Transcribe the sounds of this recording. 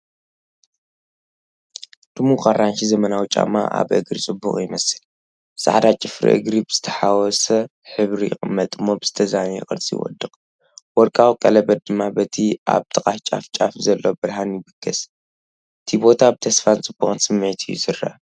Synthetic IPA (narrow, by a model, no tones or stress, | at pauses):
d̪̥ɨmukʼaranʃizɐmɐnawit͡ʃʼa̰ma̰ʔa̰βʔɨɡɾit͡sʼɨbːuχʼjɪmɐsɨl | sʼa̰ʕd̪at͡ʃʼɪfɾḭʔɨ̰ɡɾibɨz̥ɨt̪ʰɐħawɔsɐ | ħɨβɾijɪ̰xʼɨmːɐt̪ʼɨmːo̞bɨz̥ɨt̪ʰɐzanɛ̰xʼɨɾt͡sʼij̰wɔ̰d̪ːɨχ | wɔɾkʼawkʼɐlɐbɐd̪̚d̪ɨmːabɐt̪ʰiʔa̰βt̪ʰɨkʼaft͡ʃʼa̰ft͡ʃʼafzɐlːobɨɾɦanjɪbɨɡʰɐs | ʔɨt̪ʰibo̞t̪ʰabɨt̪ʰɐsfant͡sʼɨbːuχʼnsɨmːʕit̪ʰɨjːṵsɨrːa̰